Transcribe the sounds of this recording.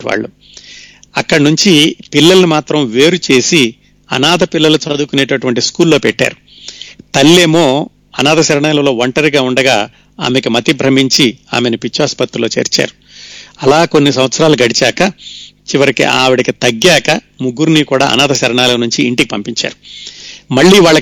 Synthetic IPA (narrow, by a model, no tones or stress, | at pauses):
ʋa̰ːɭːu | ɐkːɐɽɐnuɲt͡ʃipilːɐlɐnimaːt̪ɾɐmʋe̞ːɾut͡ʃe̞ːsi | ɐ̰naːd̪ʱɐpilːɐlut͡ʃɐd̪ukune̞ːʈɐʈuʋɐɳʈiskuːlːo̞ːpɛʈːa̰ːɾu | t̪ɐlːe̞ːmo̞ː | ɐnaːd̪ɐʃɐɾɐɳaːlɐlo̞ːʋɐɳʈɐɾiɡaːuɳɖɐɡaː | a̰ːmekimɐt̪ibʱɾɐmiɲt͡ʃia̰ːmenupit͡ʃːaːspɐt̪ːulo̞ːt͡ʃe̞̰ːɾt͡ʃa̰ːɾu | ɐlaːko̞nːisɐmʋɐt̪sɐɾaːluɡɐɽit͡ʃaːkɐt͡ʃiʋɐɾikḭʔaːʋiɽɐkit̪ɐɡːjaːkɐ | muɡːuɾnikuːɽa̰ːɐ̰naːd̪ɐʃɐɾɐɳaːlɐnuɲt͡ʃiːɳʈikipɐmpiɲt͡ʃa̰ːɾu | mɐɭːiːʋaːɭːɐ